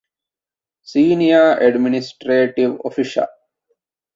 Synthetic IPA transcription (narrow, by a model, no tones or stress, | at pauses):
siːnijaʔɛɖminisʈɾeːʈiʋo̰fiʃa̰l